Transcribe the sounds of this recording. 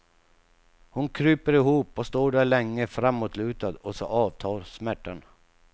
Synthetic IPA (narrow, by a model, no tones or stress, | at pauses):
hʊnkʰɾyːpəɾɪɦuːpɔst̪oːɖæɭɛŋːəfɾamːot̪ʰlʉ̟ːt̪ad̪ɔsɔ̰ʔɑːvt̪ʰɑːɾsmæʈːan